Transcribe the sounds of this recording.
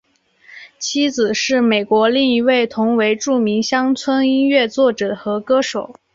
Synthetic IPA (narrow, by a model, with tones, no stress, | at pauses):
t͡ɕʰi˥d͡zɹ̩˨˩ʂɻ̩˥˩me˨˩ɪkwɔ˧˥li˥˩ŋi˧˥we˥˩ɪt̪ʰʊ˧˥ŋwe˧˥ɪʈ͡ʂu˥˩mi˧˥ŋɕjɑ˥ŋt͡sʰwə˥ni˥nɥɛ˥˧t͡swɔ˥˩ʈ͡ʂɤ˨˩xɤ˧˥kɤ˥ʂo˨˩˦ʊ